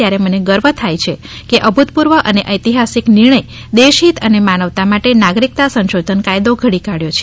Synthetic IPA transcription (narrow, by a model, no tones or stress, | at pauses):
jaɾeməneɡəɾʋət̪ʰajt͡ʃʰe | keʔəbʱut̪̚puɾʋəʔəneʔəjt̪iɦasiknɪɾɳ̃əj | d̪eʃit̪ənemanəʋt̪amaʈenaɡɾik̚t̪asə̃nʃod̪ʱənkajd̪oɡʱəɽikaɽjot͡ʃʰe